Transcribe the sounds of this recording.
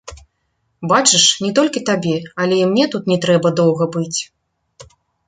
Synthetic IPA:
bat͡ʂɨʂnʲɛt̪ɔlʲkʲit̪abʲɛɐlʲɛimnʲɛt̪ut̪nʲɛt̪ɾɛbɐd̪ɔwɣɐbɨt͡sʲ

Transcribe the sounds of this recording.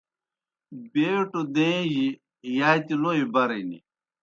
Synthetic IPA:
beːʈud̪ẽji | jaːjt̪iloibɐɾenḭ

